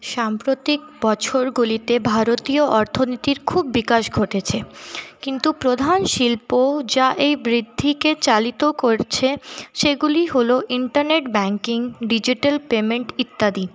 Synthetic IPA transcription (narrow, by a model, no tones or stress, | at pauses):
ʃampɾot̪ik̚bɔt͡ɕʰoɾɡulit̪ebʱaɾot̪ioʔɔɾt̪ʰonit̪iɾkʰubːikaʃɡʱoʈet͡ɕʰekint̪upɾod̪ʱanʃilpod͡ʑaʔejbɾid̪ʱːiket͡ɕalit̪okoɾt͡ɕʰeʃeɡuliɦoloʔiɳʈaɾneʈbɛŋkiŋɖid͡ʑiʈelpemeɳʈit̪ːad̪i